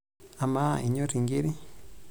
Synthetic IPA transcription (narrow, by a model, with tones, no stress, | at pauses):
a˨ma̰˦i˨ɲo˦ɾiŋɡi˦ɾi˦